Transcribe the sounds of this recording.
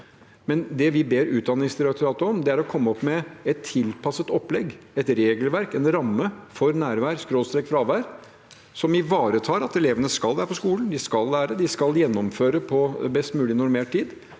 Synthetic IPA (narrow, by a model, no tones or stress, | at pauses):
mɛnd̪ɛʋɪbeːɾʉːt̪̚d̪ɑnɪŋsɪɾɛkt̪ʊɾɑːt̪əɔmd̪ɛæɾɔkʰɔmːəɔpːmɛɛt̪ʰːɪlpʰɑsət̪ɔpːlɛɡɛt̪ɾeːɡəlʋæɾkɛnɾɑmːəfɔɾnæːɾʋæːɾskɾoːst̪ɾɛkfɾɑɑːʋæːɾ | sɔmɪʋɑːɾət̪ʰɑːɾɑt̪ɛleːʋənəskɑlʋæːɾəpʰɔskuːln̩d̪ɪskɑlːæːɾəd̪ɪskɑljɛnːɔmføːɾəpʰɔbɛst̪mʉːlɪnʊɾmeːʈ̚t̪iːd̪